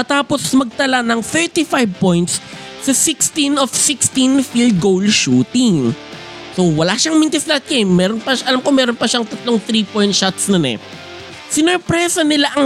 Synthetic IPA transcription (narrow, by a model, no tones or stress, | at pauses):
mɐt̪aːposmɐɡ̚t̪ɐlanɐŋθɛɹt̪ifajb̚pojnt̪sː | ɐsɪkst̪ɪnɔfsɪkst̪infild̪̚ɡowlʃuːt̪ɪŋ | sowɐlaːʃɐŋmint̪ɛslɐɐt̪̚kɐjmɛːɾonpɐʃaʔɐlamkomɛːɾonpɐʃaŋt̪ɐt̪loŋθɾiːpoj̃nt̪ʃat̪snɐnɛ̰ | sɪnoɹpɾɛsɐnɪlaʔɐŋ